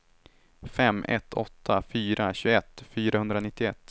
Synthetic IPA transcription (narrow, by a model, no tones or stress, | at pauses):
fɛmːʔɛ̰t̪ʰːɔt̪ʰːafyːɾaɕɵɛt̪ːfyːɾahɵnd̪ɾanɪt̪ːɪɛt̪ː